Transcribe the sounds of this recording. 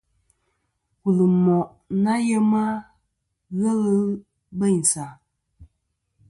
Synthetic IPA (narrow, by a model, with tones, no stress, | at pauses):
wu˨lɨ˨mɔ˨ | na˦jɛ˦ma˦ | ɣə˦lə˦ | bə˦˨n̩˨sa˨